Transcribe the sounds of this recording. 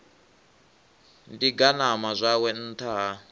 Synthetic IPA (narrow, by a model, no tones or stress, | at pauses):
ndiɡanamazʷawɛn̩tʰaː